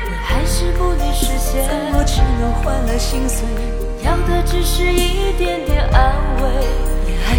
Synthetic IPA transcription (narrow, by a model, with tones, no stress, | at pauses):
xa˧˥ɪʂɻ̩˥˧pu˥˩li˧˩ʂɻ̩˧˥ɕjɛ˧˥˧u˥ʈ͡ʂʰɻ̩˧˥ɻʊ˧˥ŋxwa˥nd̪ə˨ɕi˥ŋswe˧˥˦ | jɑ˧˥ŋd̪ə˧ʈ͡ʂɻ̩˧˥ʂɻ̩˥˧i˥˧t̪jɛ˧˥nt̪jɛ˨˩nʔa˥nwe˥˩ɪ˧